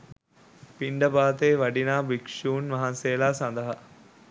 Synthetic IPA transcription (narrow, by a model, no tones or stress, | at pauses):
piɳɖɐbaːt̪eːʋɐɖinaːbikʂuːnʋɐɦɐnseːlaːsɐnd̪ɐɦɐ